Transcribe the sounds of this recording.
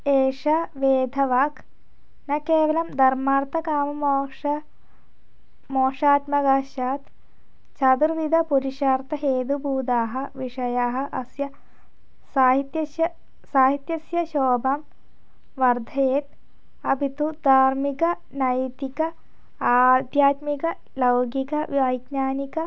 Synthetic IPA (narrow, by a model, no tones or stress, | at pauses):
eːʂɐʋeːd̪ʱɐʋaːk | nɐkeːʋɐlɐmd̪ʱɐɾmaːɾt̪ɐkaːmɐmoːʂɐ | moːʂaːt̪mɐɡaːʃaːt̪ | t͡ʃɐd̪uɾʋid̪ʱɐpuɾiʂaːɾt̪ɐɦeːd̪ubuːd̪aːɦɐ̆ʋiʂɐjaːɦɐ̆ʔɐ̰sjɐ | saːɦit̪jɐjɐ | saːɦit̪jɐsjɐʃoːbɐm | ʋɐɾd̪ʱɐjeːt̪ | ɐbʱit̪ud̪ʱaːɾmikɐ | nɐjt̪ikɐ | aːd̪jaːt̪mikɐ | lɐwɡikɐʋɐjɡnaːnikɐ